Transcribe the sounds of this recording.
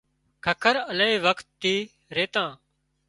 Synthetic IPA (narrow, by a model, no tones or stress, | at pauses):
kʰəkʰəɾəleiːʋəkt̪ːiː | ɾeːt̪ãː